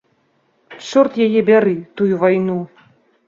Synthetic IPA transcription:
ʂɔrt̪jajɛbʲaɾɨt̪ujuvajnu

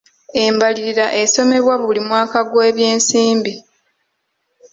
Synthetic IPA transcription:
e̞mbaliɾiɾaʔeso̞me̞βwaβulimwaːkaɡweːβje̞ːnsiːmbi

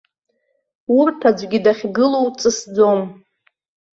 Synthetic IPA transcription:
urtʰad͡ʒʷɡʲidaχʲɡɨlowt͡sʼɨsd͡zo̞m

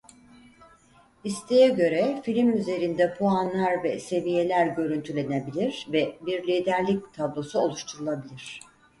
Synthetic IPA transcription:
ist̪ʰejɛɟø̞ɾɛfilʲimyze̞ɾind̪ɛpʰoanlˠaɾvɛse̞vije̞lʲæɾɟø̞ɾynt̪ʰylʲe̞nebilʲiɾ̥vɛbiɾlʲiːd̪æɾlʲic̚t̪ʰablˠo̞suo̞lˠuʃt̪ʰuɾulˠabilʲiɾ̝̥

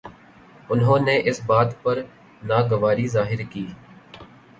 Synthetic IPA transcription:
ʊnɦõːneːʔɪsbaːt̪pəɾ | naːɡəʋaːɾiːzaːɦɪɾkiː

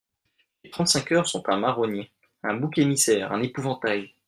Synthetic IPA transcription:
let̪χɑ̃t̪sɛ̃kʲœʁsɔ̃t̪ɛ̃maʁone | ɛ̃bukʲemisɛːʁɛ̰̃nepuvɑ̃t̪aj

